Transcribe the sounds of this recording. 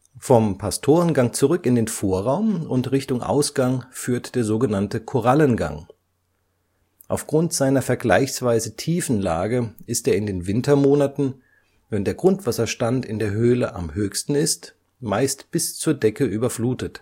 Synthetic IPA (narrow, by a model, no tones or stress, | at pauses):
fɔmpʰastʰoːʁənɡaŋt͡suʁʏkɪndeːnfoːɐʁaʊmʊntʁɪçtʊŋʔa̰ʊsɡ̥aŋfyːɐtd̥eːɐzoːɡənantəkʰoʁalənɡa̰ŋ | ʔaʊfɡ̥ʁʊntz̥aɪnɐfɛɐɡla̰ɪçsv̥aɪzətʰiːfn̩la̰ːɡəʔɪsteːɐɪndeːnvɪntɐmoːnatn̩ | vɛndeːɐɡʁʊntv̥asɐʃtantɪndeːɐɦøːləʔa̰mhøːçstn̩ɪst | maɪstb̥ɪst͡suːɐdɛkəʔyːbɐfluːtət